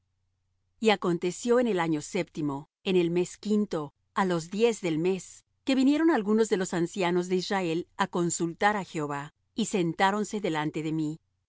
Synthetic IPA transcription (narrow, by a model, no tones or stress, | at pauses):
iako̞nt̪e̞sjo̞ene̞laɲo̞se̞p̚t̪imo̞ | e̞ne̞lme̞skint̪o̞ | alo̞zðje̞zðe̞lme̞s | ke̞βinje̞ɾo̞nalɣuno̞zðe̞lo̞sansjano̞zðe̞izrae̞lako̞nsult̪aɾaxeoβa | ise̞nt̪aɾo̞nse̞ðe̞lant̪e̞ðe̞mi